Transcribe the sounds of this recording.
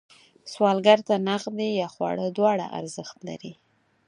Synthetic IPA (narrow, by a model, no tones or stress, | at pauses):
swɑlɡaɾt̪anaxd̪ejɑxwɑ̰ɽəd̪wɑɽa̰ʔa̰ɾzəxt̪la̰ɾi